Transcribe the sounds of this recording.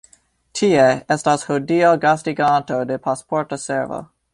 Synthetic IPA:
tʰieɛstashodioɡastiɡãntodepʰaspʰɔɹtosɛɹvə̰

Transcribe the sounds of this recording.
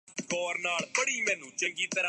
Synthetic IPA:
ɡɔːɾnaːɭpəɽiːmɛ̃ːnũːt͡ʃə̃ŋɡiːt̪əɾa

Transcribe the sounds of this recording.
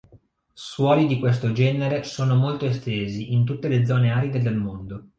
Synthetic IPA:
swɔːlid̪ikwes̬t̪od͡ʒɛːneɾesoːnomolt̪oest̪eːziʔint̪̬ut̪ːeled̪zɔːneaːɾid̪ed̪elmond̪o

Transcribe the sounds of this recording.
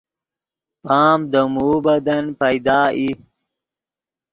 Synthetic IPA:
paːmd̪əmuːbɐd̪ɐnpɐjd̪ɑːʔi

